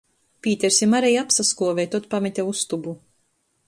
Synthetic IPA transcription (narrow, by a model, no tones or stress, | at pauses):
pʲiːt̪ʲɛɾsʲimaɾɛjapsaskuɔvʲɛjt̪uɔt̪̚pamit̪ʲɛust̪ubu